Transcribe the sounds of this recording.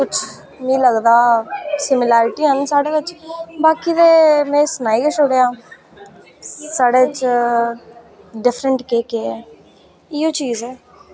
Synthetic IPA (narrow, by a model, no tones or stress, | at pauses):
kʊt͡ʃʰ | mĩːləɡd̪aːsɪmilaːɾɪʈiːɦənsaːɽeːʋɪt͡ʃbaːkiːd̪eːmɛ̃ːsənaːiːkeːt͡ʃʊɽjaː | saːɽeːɪt͡ʃ | ɖɪfɾəɳʈkeːkeː | iːoːt͡ʃiːzɛː